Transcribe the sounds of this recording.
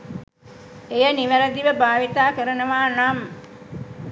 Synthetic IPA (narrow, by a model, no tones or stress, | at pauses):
ejəniʋəɾəd̪iʋəbaːʋit̪aːkəɾənəʋaːnam